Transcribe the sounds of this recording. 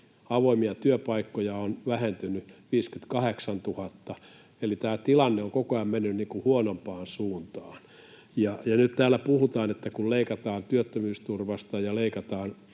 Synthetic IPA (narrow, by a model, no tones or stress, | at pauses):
ɑʋoimiɑt̪yøpɑikːojɑonʋæhent̪ynyʋiːskyt̪kɑheksɑnt̪uhɑt̪ːɑ | elit̪æːt̪ilɑnːeoŋkokoɑmmenːynniːŋkuhuonompɑːnsuːnt̪ɑːn | jɑjɑnyt̪t̪æːlːˑæpuhut̪ɑːnet̪ːækulleikɑt̪ɑːnt̪yøt̪ːømyːst̪urʋɑst̪ɑjɑleikɑt̪ɑːn